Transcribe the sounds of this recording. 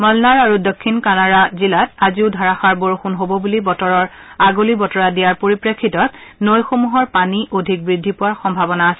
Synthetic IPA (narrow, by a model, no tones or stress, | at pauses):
mɔlnaɹaɹudokʰːinkanaɹazilataziʊdʱaɹaxaɹboɹxunɦobɔbulibɔtɔɹɔɹ | aɡolibɔtɔɹadijaɹpoɹipɹekʰːitɔt̚nojxomuɦɔɹpaniʔodʱik̚bɹidʱːipʊwaɹxɔmbʱabɔnaːsɛ